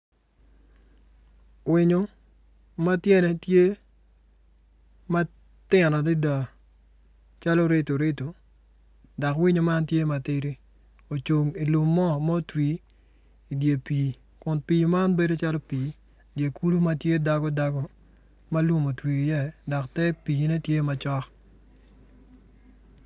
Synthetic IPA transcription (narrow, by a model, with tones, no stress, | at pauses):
wɪ˨ɲo˦ | ma˦tje˦nɛ˨tje˦ | ma˦ | tɪ˦˨nɔ˨di˦da˨ | t͡ʃa˦lɔ˦ɾɪ˦to˨ɾɪ˦to˨ | da˨kwi˦ɲo˨ma˦ntje˦ma˨tɪ˦ɾi˦ | o˨t͡ʃo˨ŋi˨lʊ˨mːɔ˦mɔ˦twi˨ | i˨dje˨piː˨ | kʊ˨npiː˨ma˦nbe˦do˦t͡ʃa˦lɔ˦piː˨ | dje˨ku˦du˦ma˦tje˦da˨ɡɔ˦da˨ɡɔ˦ | ma˦lu˦mo˨twi˨i˨jɛ˦˨dɔ˨ktɛ˦piː˨nɛ˦tje˦ma˨t͡ʃɔ˦k